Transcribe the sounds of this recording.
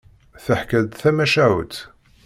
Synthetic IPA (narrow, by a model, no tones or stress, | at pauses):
θəħkæd̪θæmæʃæw̰t̪